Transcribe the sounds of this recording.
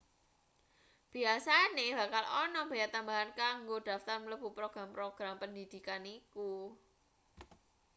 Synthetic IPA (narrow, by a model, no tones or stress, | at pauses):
b̥iasanehb̥a̤kalɔnɔb̥a̤jat̪ambaɦankaŋɡod̥a̤ft̪armələb̥ṳpɾoɡ̥ɾampɾoɡ̥ɾampənd̪id̪̥i̤kaniku